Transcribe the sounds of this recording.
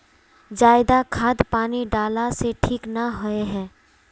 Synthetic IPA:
d͡ʒaːɪd̪akʰaːd̪paːniɖaːlaseʈʰiːknəɦɔeɦɛː

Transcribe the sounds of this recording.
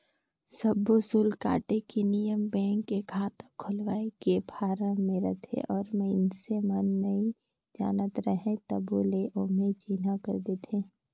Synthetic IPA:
səbːosʊlka̰ːʈekinijəmbɛ̃ːŋkːekʰaːt̪əkʰʊlʋaːekebʱaːɾə̃mẽɾət̪ʰḛʔɔːɾmɛ̃ɪnsemənːɐɦĩ | d͡ʒa̰ːnət̪ɾəɦẽt̪əboleʔomẽt͡ʃiːnakə̰ɾd̪et̪ʰẽː

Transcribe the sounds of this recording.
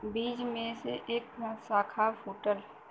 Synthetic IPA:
biːd͡ʒmẽseʔeːksaːkʰapʰoːʈəl

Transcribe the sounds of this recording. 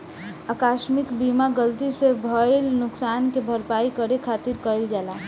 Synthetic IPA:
akaːʃmɪkbimaɡəlt̪isebʱəjlnʊksaːnkebʱəɾpaːikəɾekʰaːt̪iɾkəild͡ʒala

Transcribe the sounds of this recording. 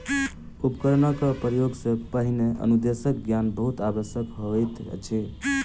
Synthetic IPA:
upkəɾnəkəpɾəjoɡsẽpəɦineʔə̰nud̪esəkɡjanbəɦut̪abəsjəkɦoɛjt̪t͡ʃʰɛ

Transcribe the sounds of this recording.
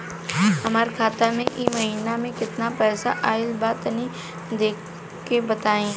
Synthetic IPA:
ɦɐmaɾkʰaːt̪amẽʔimɐɦiːnamẽkɪt̪napɛːsa̰ʔaːɪlbaːt̪nĩ | d̪eːkʰ | kebɐt̪aːẽː

